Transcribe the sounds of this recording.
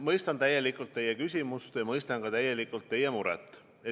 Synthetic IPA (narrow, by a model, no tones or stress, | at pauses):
mɤjst̪ɑnt̪æjːe̞likːˑult̪ːe̞jekysʲimust̪jɑmɤjst̪ɑnkɑt̪æjːelikːˑult̪ːe̞jemuɾɛ̰t̪ːˑ | e